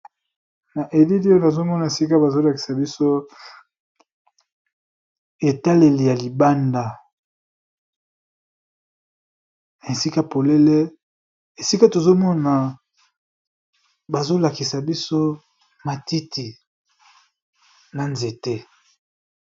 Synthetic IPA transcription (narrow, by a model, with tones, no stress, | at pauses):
na˨ʔe˨li˦li˦o˦na˨zo˦mɔ˦na˨e˨si˦ka˦ba˨zo˦la˨ki̥˨sa˨bi˦so˦ | e˨ta˦le˨li˨ja˨li˨ba˦nda˨ | n˨e˨si˦ka˦po˨le˦le˦ | e˨si˦ka˦to˨zo˦mɔ˦na˨ | ba˨zo˦la˨ki˨sa˨bi˦so˦ | ma˨ti˦ti˨ | na˨nze˨tɛ˦